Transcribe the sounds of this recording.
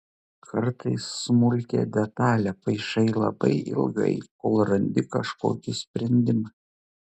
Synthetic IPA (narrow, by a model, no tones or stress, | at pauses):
kʰɐɾt̪ɐɪsːmʊlʲkʲḛːd̪ʲɛt̪ɑːlʲɛpɐɪʃɐɪlˠɐ̰bɐ̰ɪʔɪ̰lˠɡɐ̰ɪkoːlˠɾɐnʲd̪ʲɪkɐʃko̰ːkʲɪsʲpʲɾʲɛnʲd̪ʲɪmɐ